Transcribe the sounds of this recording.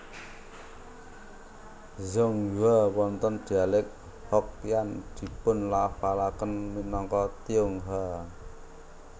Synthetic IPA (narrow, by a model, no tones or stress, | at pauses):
zɔŋjuawɔnt̪ɔnd̪̥ialɪk̚ | hɔk̚jand̪̥i̤pʊnlafalakənminɔŋkɔt̪iʊŋɦa